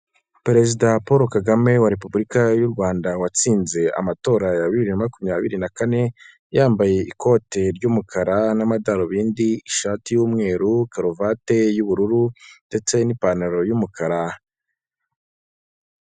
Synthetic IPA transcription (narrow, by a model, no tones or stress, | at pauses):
peɾe̞zidapoɾo̞kaɡame̞waɾepubuɾikajuɾɡwaːndawat͡siːnze̞a̰mato̞ːɾajaβiβiɾinamakumɲaβḭɾinakane̞ | jaːmbaje̞ʔiko̞ːte̞ɾɟumukʰaɾanamadaɾoβiːndiiʃaːtijuːmŋe̞ːɾukaɾovate̞juβuɾuɾunde̞t͡se̞nipanaɾo̞jumukʰaɾa